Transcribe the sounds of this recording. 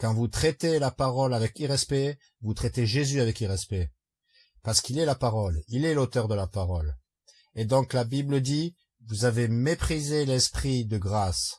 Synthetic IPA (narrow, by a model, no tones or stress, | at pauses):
kɑ̃vut̪χɛt̪elapaʁɔlavɛkiʁɛspɛ | vut̪χɛt̪eʒezyavɛkiʁɛspɛ | paʁsə̥kilɛlapaʁɔlilɛlot̪œʁd̪əlapaʁɔl | ed̪ɔ̃klabibləd̪i | vuzavemepχizelɛspχid̪əɡʁas